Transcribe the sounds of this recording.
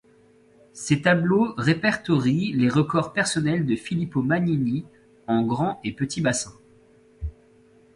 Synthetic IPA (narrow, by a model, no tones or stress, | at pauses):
set̪abloʁepɛʁt̪ɔʁileʁəkɔʁpɛʁsɔnɛld̪əfilipomanini | ɑ̃ɡʁɑ̃epət̪ʰibasɛ̃